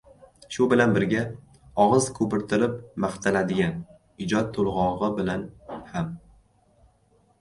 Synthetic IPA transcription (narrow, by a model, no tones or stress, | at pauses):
ʃʊbɪlanbɪɾɡʲa | ɒʁɨzkʰɵpɪɾt̪ʰɪɾɪp̚maχt̪ʰalad̪ɪɡʲan | ɪd͡ʒɒt̪̚ʰːʊlˠʁɒʁɨbɪlanham